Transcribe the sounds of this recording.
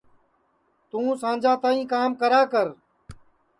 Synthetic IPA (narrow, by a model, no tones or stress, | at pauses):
t̪ũːsãːnd͡ʒaːt̪ãːĩːkaːmkəɾaːkəɾ